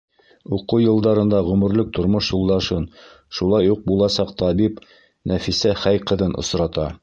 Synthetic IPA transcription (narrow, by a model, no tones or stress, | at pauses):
uqɤwjɤ̆lˠd̪ɑɾɤ̆nd̪ɑʁɵ̆mɵ̆ɾlɵk̚t̪ŏɾmoʃjulˠd̪ɑʃɤn | ʃulˠɑjːuq̚bulˠɑsɑqt̪ɑbip | næfisæχæjqɤ̆ðɤnʔŏ̰sɾɑt̪ɑ